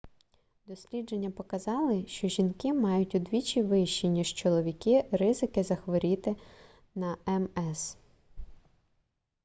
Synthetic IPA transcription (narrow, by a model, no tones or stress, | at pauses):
d̪ɔsʲlʲid͡ʒe̞nʲːɐpɔkɐzɑlˠɪʃt͡ʃɔʒʲinkɪmɑjʊtʲʊd̪ʋʲit͡ʃiʋɪʃːinʲiʒt͡ʃɔlˠɔʋʲikɪrɪzɪkɪzɐxʋɔɾʲit̪ɪ | nɐɛmɛs